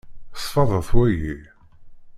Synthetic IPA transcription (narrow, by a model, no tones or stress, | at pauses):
sfɑðˤəθwæji